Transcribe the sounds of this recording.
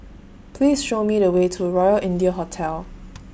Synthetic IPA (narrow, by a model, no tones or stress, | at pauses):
pʰliːsʃomiɾəwetʰuɹɔjəlʔɪ̃ndiəɦɔtʰɛl